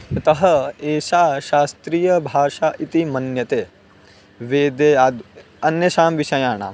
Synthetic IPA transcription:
t̪ɐɦɐeːʃaːʃaːst̪ɾiːjɐbʱaːʃaːʔit̪imɐnjɐt̪eː | ʋeːd̪eːaːd̪ | ɐnjɐʃaːmʋiʃɐjaːɳa̰ː

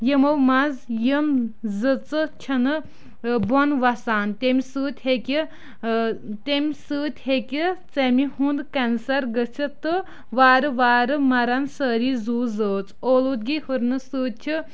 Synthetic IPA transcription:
jəmowmazjəmzɨt͡sɨt͡ʃʰɐnɨ | bonʋɐsaːnt̪ʲemisɨːt̪ʲhekʲi | t̪emʲsɨːt̪ʲhekʲit͡semihũnd̪kɐnsɐɾɡət͡ʃʰit̪ɨ | ʋaːɾɨʋaːɾɨmɐɾɐnsəːɾizuːzəːt͡soːluːd̪̚ɡihɨɾnɨsɨːt̪̚t͡ʃʰi

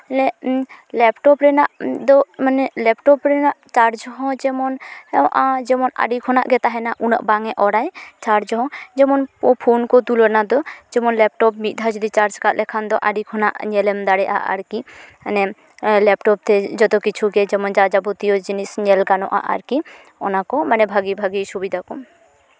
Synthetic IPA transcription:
ɛlɛlɛpʈɔpɾɛnaʔd̪ɔmanɛlɛp̚ʈɔpɾɛnaʔt͡ʃaɾd͡ʒɦɔ̃d͡ʒɛmɔnʔad͡ʒɛmɔna̰ɖikʰɔna̰ʔɡɛt̪aɦɛnaʔuna̰ʔbaŋɛʔɔɽajt͡ʃaɾd͡ʒɦɔ̃d͡ʒɛmɔnɔpʰonkɔd̪ulɔɾnad̪ɔd͡ʒɛmɔnlɛp̚ʈɔp̚mit̪̚d̪ʱad͡ʒɔd̪it͡ʃaɾd͡ʒkat̪̚lɛkʰand̪ɔʔaɖikʰɔna̰ʔɲɛlɛmd̪aɽɛʔa̰ʔa̰ɾki | nɛ | lɛpʈɔp̚t̪ʰɛd͡ʒɔt̪ɔkit͡ʃʰuɡɛd͡ʒɛmɔnd͡ʒad͡ʒabɔt̪iɔd͡ʒinisɲɛlɡanɔ̰ʔa̰ʔa̰ɾki | ɔ̰nakɔmanɛbʱaɡibʱaɡisubid̪ʱakɔ

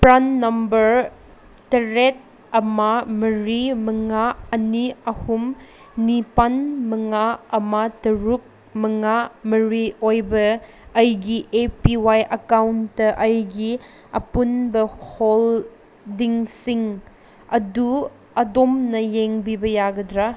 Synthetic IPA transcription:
pɾanːɐmbɐɾ | tɐɾet̚ | ɐmamɐɾimɐŋaɐniɐhum | nipanmɐŋaɐmatɐɾuk̚ | mɐŋamɐɾiojbɐː | jɡiʔepiwajʔɐkawntːɐʔɐjɡi | ɐpunbɐhol | diŋsiŋ | ɐdu | ɐdomnɐjeŋbibɐjaɡɐdɾa

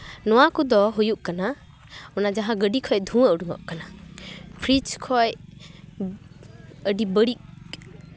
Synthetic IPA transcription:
nɔwakud̪ɔɦujuʔkana | ɔnad͡ʒaɦãɡəɖikʰɔjd̪ʱũəʔɖuŋɔ̰ʔkanapʰɾit͡ʃkʰɔj | əɖibəɽik̚

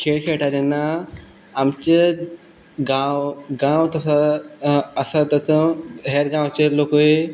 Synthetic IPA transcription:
kʰeɭkʰeʈad̪enːaː | mt͡ɕə | ɡãwɡãwt̪əsaː | sat̪ət͡sə̃ɦeɾɡãwt͡ɕelokəe

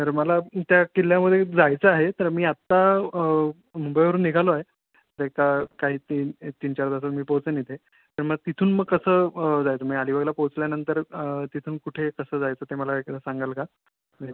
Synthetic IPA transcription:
t̪əɾməlat̪jakiljaməd̪ʱjed͡zajt͡səaɦet̪əɾmiːat̪ːa | mumbəjʋəɾuːnːiɡʱaloaɦe | ɾekakaɦiːt̪it̪iːnt͡ɕaɾd̪as̬at̪miːpowt͡sənit̪ʰe | t̪əɾmət̪it̪ʰuːnməɡkːəsəːd͡zajt͡səmiːaliʋəɡlapowt͡sljanənt̪əɾt̪it̪ʰuːnkuʈʰekəsəːd͡zajt͡səːt̪eməlaekəsaŋɡalka | əe

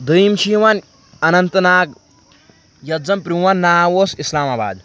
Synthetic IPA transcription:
d̪ɨjmt͡ʃʰiːʋan | ɐnɐnt̪naːɡ | jɐd͡zɐmpɾuʋanːaːwoːsislaːmaːba̰ːd̪

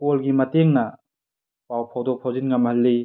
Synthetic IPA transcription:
kolɡimɐteŋnɐ | pawpʰawdopʰawzinŋɐmhɐlːi

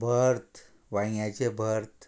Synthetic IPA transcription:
bʱəɾt̪ | ʋaj̃jat͡ɕebʱəɾt̪

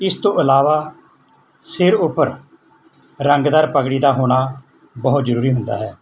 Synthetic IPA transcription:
ɪst̪õːʔəlaːʋaː | sɪɾʊpːəɾ | ɾəŋɡd̪əɾpəkɽiːd̪aːɦoːɽ̃aː | bəɦʊt̪zəɾuːɾiːɦʊ̃nd̪a̰ːɦɛː

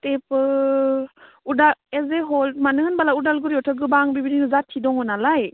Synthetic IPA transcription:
tepɯ | udaezeɦɔlmanɯnbalaudalɡɯɾiɔtʰɯɡɯbaŋbibidinɯzatʰːidɔŋɔnalaj

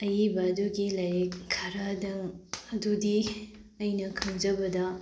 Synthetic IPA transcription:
ɐjibɐːduɡilɐjekkʰːaɾadɐŋɐdudi | ɐjnɐkʰɐŋd͡ʒɐbɐdɐ

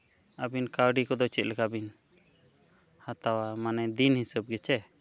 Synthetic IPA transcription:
əbinkaɾɖikɔd̪ɔt͡ʃɛt̪̚lɛkabin | hat̪awamanɛd̪inhisəb̚ɡɛt͡ʃɛ

